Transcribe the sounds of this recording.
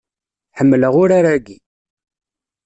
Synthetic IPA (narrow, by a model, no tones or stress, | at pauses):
ħəmːləʁʊɾaɾaɡi